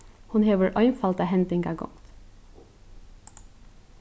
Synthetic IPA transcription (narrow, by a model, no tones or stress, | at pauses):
hʊnheːʋəɹʔœʏnfɑlt̪ɑːhɛnt̪ɪŋɡɑɡɔ̰ŋt̪